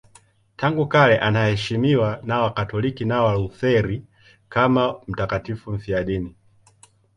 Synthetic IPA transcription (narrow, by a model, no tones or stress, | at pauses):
taŋɡukalɛʔanahɛʃimiwanawakatɔlikinawaluθɛɾi | kamam̩takatifum̩fiaɗini